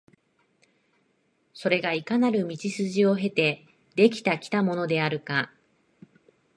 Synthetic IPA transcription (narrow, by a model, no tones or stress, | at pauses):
so̞ɾe̞ɡaikanaɾɯ̟mʲit͡ɕisɨʑio̞ɦe̞t̪e̞ | d̪e̞kʲi̥t̪akʲi̥t̪amo̞nod̪e̞aɾɯ̟ka